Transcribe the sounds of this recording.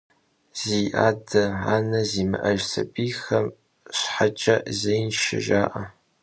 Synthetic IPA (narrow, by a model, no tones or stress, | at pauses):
z̥ijʔaːdɐaːnɐzimɨ̰ʔɐʒsɐ̰biːxɐm | ɕħat͡ʃʼɐzejnʃɪ̰ʒaːʔɐ